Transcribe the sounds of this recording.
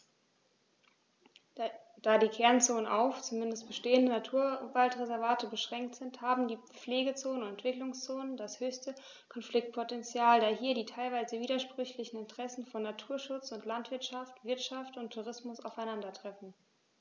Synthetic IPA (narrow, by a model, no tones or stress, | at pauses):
d̥aːdiːkʰɛɐnt͡soːnənʔaʊft͡sumɪndəst̚b̥əʃteːəndənatʰuːɐvaltʁezɛɐvaːtəbəʃʁ̥ɛŋk̚tz̥ɪnthaːbm̩diː | p͡fleːɡət͡soːnənɛntv̥ɪklʊŋst͡soːnəndashøːçstə | kʰɔnflɪk̚t̚pʰotɛnt͡sjaːldaːɦiːɐɾiːtʰaɪlvaɪzəviːdɐʃpʁ̥ʏçlɪçn̩ɪntəʁ̥ɛsn̩fɔnːatʰuːɐʃʊt͡sʊntlantv̥ɪɐtʃaftv̥ɪɐtʃaftʊntʰːuʁ̞ɪsmʊsa̰ʊfaɪnandɐtʁ̥ɛfn̩